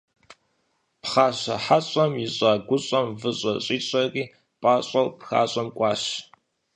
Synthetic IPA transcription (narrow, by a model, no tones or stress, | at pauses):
pχaːɕɐħaɕʼɐmjɪɕʼaːɡʷʊɕʼɐmvɨɕʼɐɕʼiːɕʷʼɐriː | pʼaːɕʼɐwpxa̰ːɕʼɐmkʷʼɑːɕ